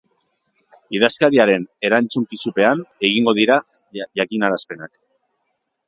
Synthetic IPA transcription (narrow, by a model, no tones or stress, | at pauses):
iðaskaɾiaɾe̞ne̞ɾant͡suŋkisupe̞ane̞ɣ̞iŋɡo̞ðiɾa | ʝakinaɾaspe̞nak